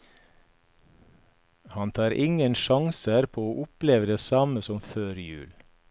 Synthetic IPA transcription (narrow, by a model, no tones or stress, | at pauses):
hɑnt̪ʰɑːɾʔɪŋənʃɑŋsəɾpʰoːoːʔʊpleːʋəd̪eːsɑməsɔmføːɾjʉ̰ːl